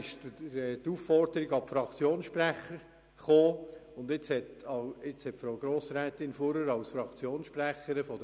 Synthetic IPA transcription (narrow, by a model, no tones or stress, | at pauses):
ɪʃtːt̪ufːɔɾdəɾiɡɑpfɾɑkt͡sjoːnsʃpræχəɾ | χoːʊnd̪ɪt͡shɛtɑɪt͡shɛtfɾowɡ̥ɾoːsɾɛːt̪ɪnfoɾəɾɑlsfɾɑkt͡sjoːnsʃpræχəɾəfɔdə